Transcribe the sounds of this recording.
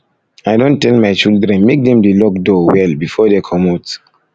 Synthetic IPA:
ajdõntɛlmajt͡ʃildɹɛ̃nmek̚dɛ̃mdelɔk̚dowɛlbifɔdekʰɔmot

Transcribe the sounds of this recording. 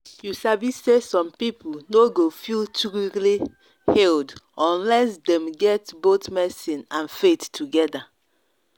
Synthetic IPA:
jusabisesɔ̃mpiplnoɡofiltɹuli | hɛldɔ̃nlɛsdɛ̃mɡɛtbotmɛsĩnãnfettʰːuɡɛda

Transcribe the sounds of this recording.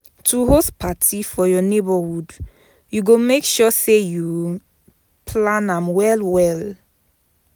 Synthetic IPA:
tʰuhospʰatʰifɔjɔnebɔhud | juɡomekʃɔseju | pʰlãnãmwɛlwɛl

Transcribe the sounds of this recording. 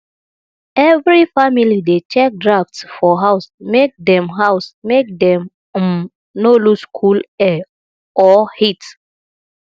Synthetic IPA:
ɛvɹifamilidet͡ʃɛk̚dɹaftsfɔɦaʊsmek̚dɛ̃mɦaʊsmek̚dɛ̃m | m | noluskʰulɛ | ɔhit

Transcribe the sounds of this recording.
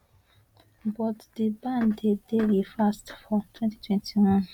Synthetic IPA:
bɔtdibãndedelifastfɔtʰwɛ̃nti̥tʰwɛ̃ntʰiwɔ̃n

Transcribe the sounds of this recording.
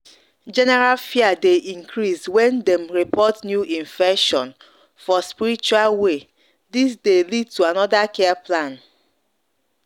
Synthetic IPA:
d͡ʒɛnɛɹalfiadeʔĩŋkʰɾiswɛ̃ndɛ̃mɹipɔtnjuʔĩɱfɛkʃɔ̃n | fɔspiɾit͡ʃualwe | dis̬delid̚tuanɔdakɛaplãn

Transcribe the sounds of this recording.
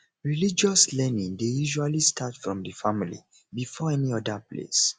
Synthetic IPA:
ɹilid͡ʒɔslɛnĩŋdejuʒualistʰatfɹɔ̃mdəfamilḭ | bifɔɛniɔdaplḛs

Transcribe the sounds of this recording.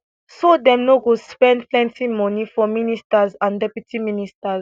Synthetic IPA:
sodɛ̃mnoɡospɛ̃ndplɛ̃ntimɔ̃nifɔministazãndɛpjutʰiministaz

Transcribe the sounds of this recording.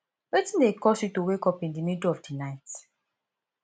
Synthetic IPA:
wetĩndekɔsjutowekɔpĩndimiduɔfdinaɪt

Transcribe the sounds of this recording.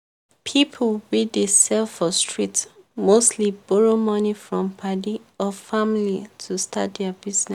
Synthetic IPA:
pʰipʰwidesɛlfɔstɹitmostlibɔɹomɔnifɹɔ̃mpʰadiɔfamlitʰustʰa̰tdɛabiznɛ

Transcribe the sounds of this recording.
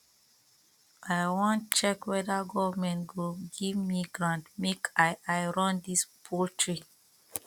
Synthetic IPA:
ʔaɪwɔ̃ntt͡ʃɛkwɛdaɡɔvmɛ̃ntɡɹupɡivmiɡɹãntmekaajɹɔ̃ndispʰultʰɹi

